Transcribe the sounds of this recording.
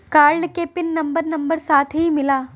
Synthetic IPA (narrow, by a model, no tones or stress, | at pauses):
kaːɾɖkeːpɪnːɐmbəɾnɐmbəɾsaːt̪ʰɦimɪlaː